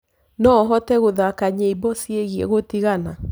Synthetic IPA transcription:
nɔɦɔtɛɣoðakaɲeibɔsieɣiɛ̰ɣotiɣana

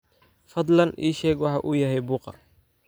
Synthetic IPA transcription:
fɐd̪lɐnʔiːʃɛːɡwɑħɑʔuːjɐɦɛjbuːqɑ̰

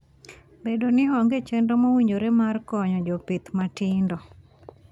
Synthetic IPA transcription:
bedonɪɦɔŋɡet͡ʃendomawiɲd͡ʒoɾemarkɔɲɔd͡ʒɔpit̪matɪndɔ

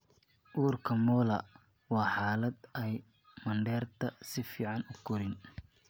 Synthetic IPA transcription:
ʔuːrkʰɐmɔːlɐ | wɑːħɑːlɐd̪ɛj | mɐɳɖɛːrt̪ʰɐsɪfiːʕɑnʊɡʰʊɾɪn

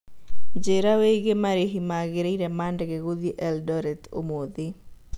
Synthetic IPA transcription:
d͡ʒeɾaweɡemaɾiɦimaɡɪɾeiɾɛmandɡeɡod̪iʔɛldɔɾɛt̪o̰mod̪ɪ

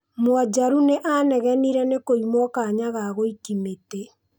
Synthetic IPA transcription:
mwad͡ʒaɾuneʔanɛɣɛniɾɛnekoimwɔkaːɲaɣaɣoikimetɛ

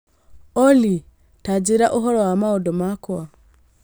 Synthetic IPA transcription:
oli | tad͡ʒiɾaʔoɦɔlɔwamaodomakwa

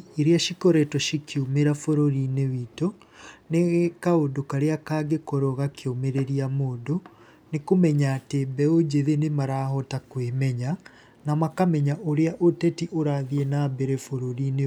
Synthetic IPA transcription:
eɾeaʃikɔɾɛtɔʃikʰiomeɾafoɾoɾinewitoneɣkaodokaɾeakaɡekɔɾɔɣakʰeomeɾeɾiamoːdo | nekomɛɲaːtebɛod͡ʑeðenemaɾaːɦɔtakwemɛɲa | namakamɛɲaʔoɾeaʔotɛtiʔoɾaðienabɛɾɛfoɾoɾine

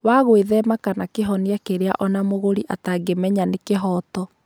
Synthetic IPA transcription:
waɣweðɛmakanakeɦɔniakeɾea̰ʔɔnamoɣoɾiʔataɡemɛɲanekeɦɔːtɔ

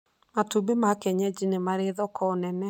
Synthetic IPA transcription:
matubemakɛɲɛd͡ʒinemaɾeðɔkɔnɛnɛ

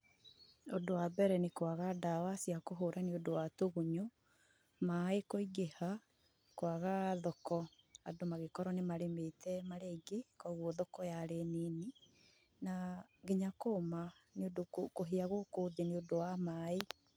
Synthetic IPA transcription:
odowabɛɾɛnekwaɣadawasiakoɦoːɾʔaneodowatoɣuɲo | maekoiɡeha | kwaɣaðɔkɔa̰domaɣekɔɾɔnemaɾemeːtɛmaɾeɡekwaɣwɔðɔkɔjaɾeneːni | naɡeɲakoːmaneodokokoɦeaɣokoːðeneodowamae

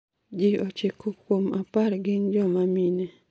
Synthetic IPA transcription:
d͡ʒɪot͡ʃekokwomapaɾɡɪnd͡ʒɔmamine

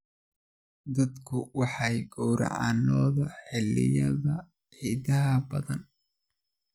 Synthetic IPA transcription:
d̪ɐd̪kʰʊwɑħɑjɡɔwɾɑ̰ʕɑ̰ːnɔːðɐħɪlːɪ̰jɐðɐ | ʕiːðɐɦɐbɐðɐn

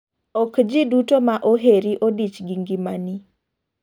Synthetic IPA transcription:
ɔkd͡ʒidutomaʔoɦeɾiʔodit͡ʃɡiŋɡimani

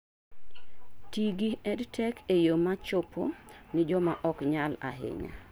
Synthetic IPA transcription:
tiɡiɛdtʰɛkʰejomat͡ʃopʰo̰nɪd͡ʒɔmaʔɔkɲala̰ɦɪ̰ɲa̰

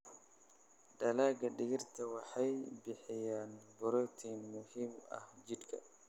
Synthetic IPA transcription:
dɐlaːɡɐɗɪɡɪrt̪ʰɐwɑħɑjbɪħɪjaːnbɔɾɔt̪ʰinmʊhiːmɐ̰hd͡ʒɪd̪kʰɐ̰

